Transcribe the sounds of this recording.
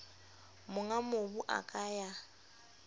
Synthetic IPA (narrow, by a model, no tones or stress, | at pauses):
mʊŋamobuʔa̰kʼaja